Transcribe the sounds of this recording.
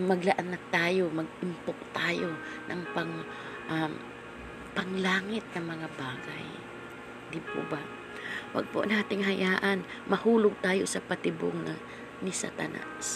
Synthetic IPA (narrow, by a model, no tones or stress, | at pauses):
mɐɡlaʔanːat̪aːjo̞mɐɡɪmpok̚t̪aːjo̞nɐŋpɐŋ | ʔam | pɐŋlaːŋɪt̪̚nɐŋmɐŋabaːɡa̰j | d̪ɪpo̰ba | wɐ̰ɡ̚poʔnaːt̪ɪŋɦɐjaːʔan | mɐhuːlʊɡ̚t̪aːjosɐpɐt̪ɪbo̰ŋnɐ | nɪsa̰t̪ɐ̰na̰s